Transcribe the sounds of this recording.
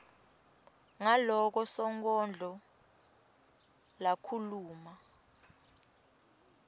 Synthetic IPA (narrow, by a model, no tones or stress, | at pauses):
ŋalɔk̬ɔsɔŋk̬ʼɔnd͡ɮʱɔ | lakʰuluːma